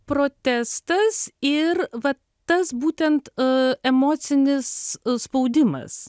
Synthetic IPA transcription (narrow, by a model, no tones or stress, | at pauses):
pɾoːt̪ʲæst̪ɐsɪɾʋɐ | t̪ɐsbuːt̪ʲɛnt̪ɛmoːt̪sʲɪnʲɪsspɐʊd̪ʲɪmɐ̰s